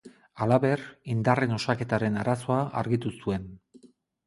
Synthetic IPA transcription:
alaβe̞rind̪are̞no̞sake̞t̪aɾe̞naɾaso̞aʔaɾɣit̪usue̞n

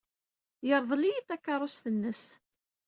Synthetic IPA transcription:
jəɾˤðˤlijit̪ːækːɑɾˤosθənːəs

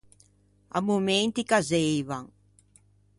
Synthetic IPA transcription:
a̰mument̪ikazejβaŋ

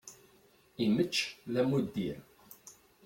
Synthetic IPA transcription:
imət͡ʃːlæmud̪ːiɾ

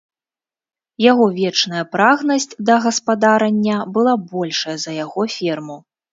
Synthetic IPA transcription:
jaɣɔvʲɛt͡ʂn̪ɐjɐpɾaɣnɐsʲtʲd̪ɐɣɐspad̪aɾɐnʲːɐbɨlˠabɔlʲʂɐjɐzɐjaɣɔfʲɛrmu

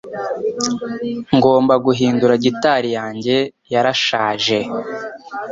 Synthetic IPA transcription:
ŋɡo̞ːmbaɡuɦiːnduɾaɟitaːɾijaːɲɟe̞jaɾaʃaːʒe̞

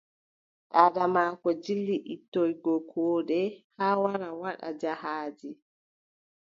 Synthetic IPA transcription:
ɗaːɗamaːkɔd͡ʒilːiʔitːɔjɡɔkʰɔːɗɛhaːwaɾawaɗa̰d͡ʒahaːd͡ʒi

